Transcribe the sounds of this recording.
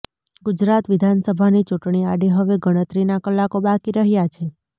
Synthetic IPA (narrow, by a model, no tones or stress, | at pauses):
ɡud͡ʒɾat̪ʋɪd̪ʱansəbʱanit͡ʃuʈɳ̃iaɖiɦəʋeɡəɽ̃ət̪ɾinakəlːakobakiɾəɦjat͡ʃʰe